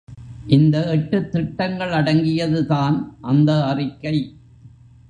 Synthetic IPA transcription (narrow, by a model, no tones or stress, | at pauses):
ʔɪnd̪ɐɛʈːɯt̪ːɾɪʈːɐŋɡɐɭɐɽɐŋɡɪjɐðɯðaːnʔɐnd̪ɐːrɪkːɐɪ